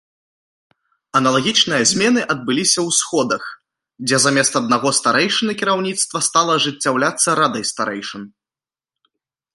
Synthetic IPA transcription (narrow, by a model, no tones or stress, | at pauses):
ɐnɐlˠaɣʲit͡ʂnɨjɐzʲmʲɛnɨʔɐd̪̚bɨlʲisʲɐwsxɔd̪ɐx | d͡zʲɛzamʲɛst̪ɐd̪̚naɣɔst̪aɾɛjʂɨnɨkʲiɾawnʲit̪st̪vɐst̪alˠɐʐɨt͡sʲːawlʲat̪sːɐɾad̪ɐjst̪aɾɛjʂɨn